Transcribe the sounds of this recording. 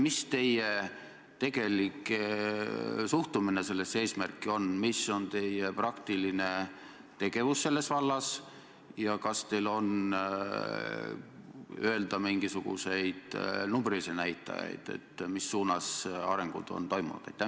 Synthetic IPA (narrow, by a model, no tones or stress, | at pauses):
mist̪e̞je | t̪e̞ɡ̥e̞likˑe | suht̪umine̞se̞lːe̞sːe̞ːsmærkːˑio̞nmiso̞nt̪e̞jeprɑkt̪iline̞ | t̪e̞ɡ̥e̞vusse̞lːe̞svɑlːɑs | jɑkɑst̪e̞lo̞n | øeld̪ɑmiŋɡ̥isuɡ̥ṵse̞jd̪̥numbrisenæjt̪ːˑɑ̰jɑ̰jd̪̥ḛt̪ːmisːuːnɑsɑ̰ɾe̞ŋɡ̥ṵd̪̥o̞̰nt̪o̞jmunud̪̥ejt̪ːæ